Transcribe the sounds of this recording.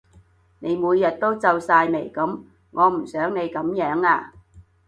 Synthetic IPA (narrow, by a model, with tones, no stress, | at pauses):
ne˨˧jmuː˨˧jːɐ˨t̚t̪o˥wt͡sɐ˧wsaː˧jme˨˩jkɐ˨˥m | ŋɔː˨˧m̩˨˩sœː˨˥ŋne˨˧jkɐ˨˥mjœː˨˥ŋaː˧